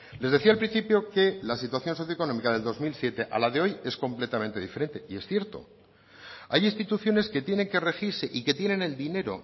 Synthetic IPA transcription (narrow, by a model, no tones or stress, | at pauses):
le̞zðe̞θialpɾĩn̟θipjo̞ke̞lasit̪waθjo̞nso̞θjoeko̞no̞mikaðeld̪o̞zmilsje̞t̪e̞ʔa̰laðeo̞je̞sko̞mple̞t̪amẽ̞nt̪e̞ðifeɾe̞nt̪e̞ie̞sθje̞ɾt̪o̞̰ | ajinst̪it̪uθjo̞neske̞t̪je̞ne̞ŋke̞re̞xiɾse̞ʔike̞t̪je̞ne̞ne̞ld̪ine̞ɾo̞̰